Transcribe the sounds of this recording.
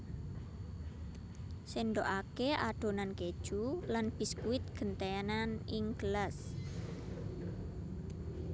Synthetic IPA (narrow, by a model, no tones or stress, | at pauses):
senɖoʔakea̰ɖ̥o̤nanked̥ʒ̥ulanb̥iskuɪt̪̚ɡ̥ə̤nt̪enaniŋɡ̥əlas